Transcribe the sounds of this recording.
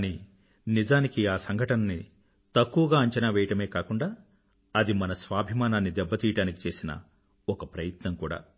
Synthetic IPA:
kaːniː | nid͡ʒaːnikiaːsɐŋɡʱɐʈɐnɐni | t̪ɐkːuʋɐɡaːɐɲt͡ʃɐnaʋɛːjɐʈɐme̞ːkaːkuɳɖaː | ɐd̪imɐnɐsʋaːbʱimaːnaːnːid̪ɛbːɐt̪iːjɐʈaːniki̥t͡ʃe̞ːsinɐ̰ | ɔkɐpɾɐjɐt̪nɐmkuːɽa̰ː

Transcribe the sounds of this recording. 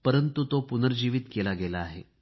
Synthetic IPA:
pəɾənt̪ut̪opunəɾd͡ʑiʋiːt̪kelaɡelaːɦe

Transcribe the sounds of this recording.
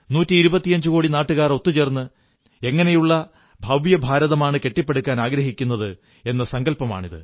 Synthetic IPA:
nuːtːiiɾubɐt̪ːijɐɲd͡ʑɨko̞ːɽinaːʈːɨɣaːro̞t̪ːut͡ɕe̞ːrnːɨ | e̞ŋːɐne̞juɭːɐ | bʱɐʋjɐbʱaːɾɐðɐmaːɳɨke̞ʈːipːe̞ɽukʲːaːnaːɡɾɐɦikʲːunːɐðɨ | e̞nːɐsɐŋɡɐlpɐma̰ːɳiðɨ̰

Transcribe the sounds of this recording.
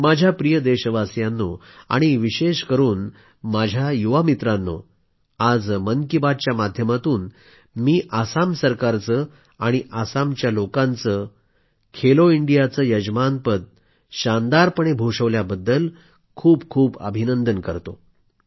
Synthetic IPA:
mad͡ʑʱjapɾijəd̪eɕəʋasjanːo | a̰ɽ̃iʋiɕeɕkəɾuːn | mad͡ʑʱjajuʋamit̪ɾanːo̰ | ad͡zməŋkibad̪̚t͡ɕjamad̪ʱjəmat̪uːn | miːʔasamsəɾkaɾt͡səː | aɽ̃iʔasamt͡ɕjalokãnt͡sə | kʰeloiɳɖijat͡səːjəd͡ʑmanpət̪̚ | ɕand̪aɾpəɳ̃ebʱoʂəʋljabəd̪ːəl | kʰuːbkʰuːbə̰bʱinənd̪ənkəɾt̪o

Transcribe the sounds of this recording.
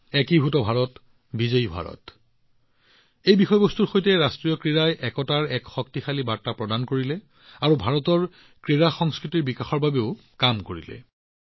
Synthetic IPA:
ɛkibʱutɔbʱaɹɔt | bizeibʱa̰ɹɔ̰t | ejbixɔjbɔstuɹxojtɛɹastɹijɔkɹiɹajʔɛkɔtaɹɛkxɔk̚tixalibaɹtapɹɔdankoɹilɛ | aɹubʱaɹɔtɔɹ | kɹiɹaxɔŋskɹitiɹbikaxɔɹbabeʊ | kamkoɹḭlɛ̰

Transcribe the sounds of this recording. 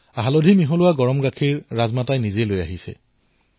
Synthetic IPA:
aɦalodʱimiɦɔlʊwaɡɔɹɔmɡakʰiɹːazmatajnizelojaɦisɛ̰

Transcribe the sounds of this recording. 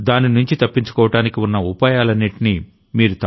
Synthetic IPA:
d̪aːninuɲt͡ʃit̪ɐpːiɲt͡ʃu̥kɔːʋɐʈaːnikiunːɐupaːjaːlɐnːiʈini | miːɾut̪

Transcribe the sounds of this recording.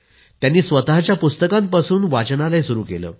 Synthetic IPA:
t̪janːiːsʋət̪aɦt͡ɕjapust̪əkãmpasuːnʋat͡ɕnalajsuɾuːkelə̰ː

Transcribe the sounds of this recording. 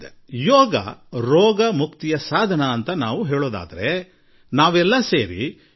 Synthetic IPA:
e | jɔːɡɐ̰ɾɔːɡɐmukt̪ijɐsaːd̪ʱɐnɐːnt̪ɐnaːʋuɦeːɭoːd̪a̰ːd̪ɐɾe̞ | naːʋɛlːɐseːɾḭ

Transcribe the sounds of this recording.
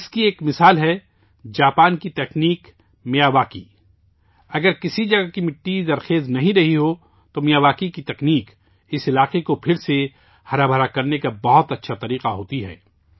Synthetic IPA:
ɪskieːkmɪsaːlɦɛ | d͡ʒaːpaːnkit̪ɛːkniːk | mɪjaːʋaːkḭ | ɐɡəɾkɪsid͡ʒɐɡakimɪʈːid̪ɐɾxeːznɐɦĩɾɐɦiɦo | t̪omijaːʋaːkikit̪ɐkniːk | ɪsɪlaːqekopʰɪɾse | hɐɾabʱəɾakɐɾnekabɐɦʊt̪ɐtːʃʰat̪ɐɾiːqaɦoːt̪iɦɛ̰ː

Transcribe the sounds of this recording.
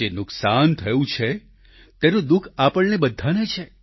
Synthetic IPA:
enʊksant̪ʰəjũt͡ʃʰe | t̪eɾũd̪ukʰapəɭnebəd̪ʱːanet͡ʃʰe

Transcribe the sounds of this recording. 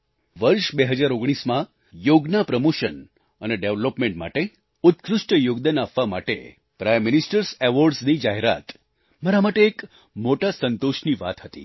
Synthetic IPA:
ʋəɾʃbeɦəd͡ʒaɾoɡɽ̃ismã | joɡnapɾəmoʃən | əneɖeʋlopmẽɳʈma̰ʈe | ʊt̪kɾʊʂʈəjoɡd̪anapʋama̰ʈḛ | pɾajmːɪnisʈəɾseʋoɾɖsnid͡ʒaɦeɾa̰t̪ | maɾamaʈeːk | moʈasənt̪oʃniʋa̰t̪ɦət̪ḭ

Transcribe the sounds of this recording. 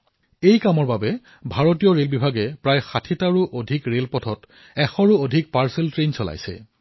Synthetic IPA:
ejkamɔɹbabɛ | bʱaɹotijɔɹelbibʱaɡɛpɹajxatʰitaɹuʔodʱikɹelpɔtʰɔt | ɛxɔɹuodʱik̚paɹseltɹensɔla̰jsɛ̰

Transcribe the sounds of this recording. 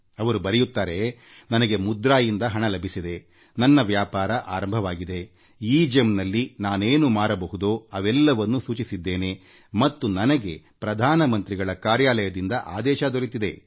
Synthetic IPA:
ɐʋɐɾubɐɾɛjut̪ːaːɾe̞ | nɐnɐɡe̞mud̪ɾaːjind̪ɐɦɐɳɐlɐbʱisid̪e̞ | nɐnːɐʋjaːpaːɾɐʔaːɾɐmbʱɐʋaːɡid̪e̞ | iːd͡ʒemnɐlːinaːneːnumaːɾɐbɐɦud̪oːɐʋɛlːɐʋɐnːusuːt͡ʃisid̪ːeːne̞ | mɐt̪ːunɐnɐɡe̞pɾɐd̪ʱaːnɐmɐnt̪ɾiɡɐɭɐkaːɾjaːlɐjɐd̪ind̪ɐʔaːd̪ɛːʃɐd̪oɾit̪id̪e̞

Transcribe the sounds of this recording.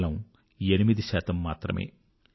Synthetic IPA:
lɐm | enimid̪iʃaːt̪ɐmːaːt̪ɾɐ̰mḛː

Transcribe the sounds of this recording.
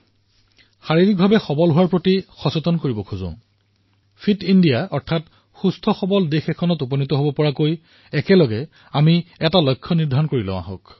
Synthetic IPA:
xaɹiɹik̚bʱabɛxɔbɔlɦuwaɹpɹotixɔsotɔnkoɹibɔkʰuzʊ̰̃ | fʰitindijaɔɹtʰat | xustʰɔxɔbɔldexɛkʰɔnɔtupɔnitɔɦobɔpɔɹakoj | ɛkɛlɔɡɛ | amiɛtalɔjkʰːɔniɹdʱankoɹilɔ̰̃a̰ɦɔ̰k

